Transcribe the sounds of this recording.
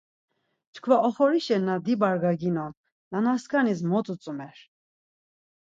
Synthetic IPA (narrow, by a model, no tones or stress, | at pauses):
t͡ʃʰkʰvaʔɔχɔɾiʃɛɾnad̪ibaɾɡaɡinɔm | nanaskʰanis̬mɔt͡s̪ʼut͡sʼumɛɾ